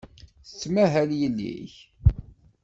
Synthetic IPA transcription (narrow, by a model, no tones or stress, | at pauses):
θə̥t͡sːmæɦæljəlːḭç